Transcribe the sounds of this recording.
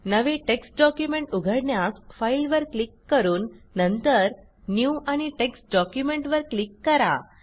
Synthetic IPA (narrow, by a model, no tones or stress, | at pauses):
nəʋeʈeksʈ̚ɖɔkjumẽɳʈuɡʱəɽɳjasfailʋəɾklikːəɾuːnːənt̪əɾ | njuʔaɽ̃iʈeksʈ̚ɖɔkjumeɳʈʋəɾklikːəɾa̰